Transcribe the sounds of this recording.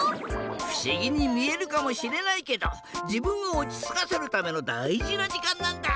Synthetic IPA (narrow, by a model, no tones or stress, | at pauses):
ɸɯ̟̥ɕiɡʲiɲ̟imʲie̞ɾɯ̟kamo̞ɕiɾe̞naike̞d̪o̞̰ | d͡ʑibɯ̟̃ɰ̃oːt͡ɕʲi̥t͡sɨ̥kase̞ɾɯ̟t̪ame̞no̞d̪aiʑinad͡ʑikãnːãnd̪a